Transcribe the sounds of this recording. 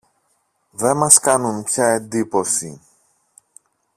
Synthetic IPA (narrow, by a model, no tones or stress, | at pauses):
ðe̞mɐskɐnunpçɐe̞nd̪ipo̞sḭ